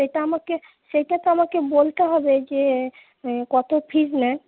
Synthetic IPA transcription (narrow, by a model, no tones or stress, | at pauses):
ʃejʈaamake | ʃejʈat̪oamakebolt̪aɦɔbed͡ʒe | kɔt̪opʰid͡ʒnɛ